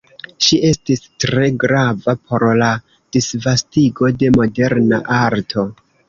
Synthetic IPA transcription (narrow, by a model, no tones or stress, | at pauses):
ʃiʔe̞stistɾe̞ɡɾavapʰo̞ɾla | d̥isvastiɡo̞de̞mo̞de̞ɾnaʔaɾtʰo̞